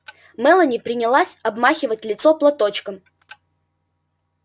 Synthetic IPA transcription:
mɛlˠənʲipɾʲɪnʲɪlˠasʲɐbmaxʲɪvətʲlʲɪt̪soplˠɐt̪o̞t͡ɕkəm

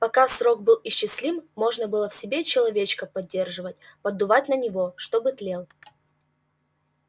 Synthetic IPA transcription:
pɐkasɾo̞k̚bɨlˠɪɕːɪsʲlʲimmo̞ʐnəbɨlˠəfsʲɪbʲet͡ɕɪlˠɐvʲet͡ɕkəpɐdʲːe̞rʐɨvət̚ʲpəd̪ʊvat̚ʲnənʲɪvo̞ʂt̪o̞bɨt̪lʲelˠ

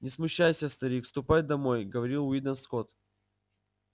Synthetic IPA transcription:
nʲɪsmʊɕːajsʲəst̪ɐɾʲikfst̪ʊpajd̪ɐmo̞jɡəvɐɾʲilˠʊid̪ənsko̞t̪

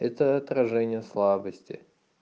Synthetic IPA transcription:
ɛt̪əɐt̪ɾɐʐɛnʲɪjəslˠabəsʲtʲɪ̰

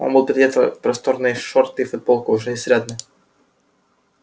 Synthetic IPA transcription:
o̰nbɨlˠpʲɪɾʲɪdʲet̪ə̰pɾɐst̪oɾnɨjʂort̪ɨjfʊd̪̚bolˠkʊʊʐɛnʲɪsʲɾʲed̪nɨ

